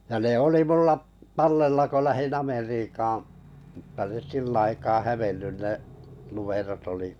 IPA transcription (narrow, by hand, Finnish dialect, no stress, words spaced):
jɑ ne oli mulːɑʔ tɑlːelːɑ ko læhin ɑmeriːkɑːɑ̃ m̩tːɑ nes silːæ̆ ɑikɑː hæʋenːyn neʔ lumerot oli